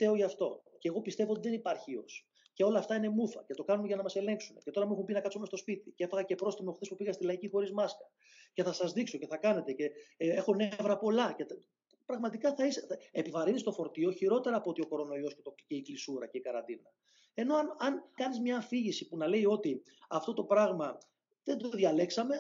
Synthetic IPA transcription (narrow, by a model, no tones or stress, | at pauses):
t̪evoʝɐːft̪o̞ceːɣo̞pist̪e̞voot̪iðe̞nipɐɾçiio̞̰s | ce̞o̞lɐːft̪ɐine̞mufɐ̰ce̞t̪o̞kɐnumeʝɐnɐmɐse̞le̞ŋksune̞cet̪o̞ɾɐmixumepinɐkɐpsomet̪o̞spit̪icee̞fɐɣɐce̞pɾo̞st̪imoxθispupiɣɐst̪ilɐicixo̞ɾizmɐskɐ̥ | ce̞θɐsɐzðikso̞ce̞θɐkɐne̞t̪e̞ce̞e̞xo̞nevɾɐpo̞lɐce̞t̪ | pɾɐɣmɐt̪ikɐθɐiseepivɐɾinist̪o̞fo̞ɾt̪ioçiɾo̞t̪e̞ɾɐːpoot̪io̞ko̞ɾo̞no̞io̞scet̪oceiklisuɾɐ̰ce̞ikɐɾɐ̰nd̪inɐ | e̞no̞ɐnɐnkɐnizmɲɐːfiʝisipunɐle̞io̞t̪i | ɐft̪o̞t̪o̞pɾɐɣmɐ | ðe̞nd̪oðʝɐle̞ksɐme̞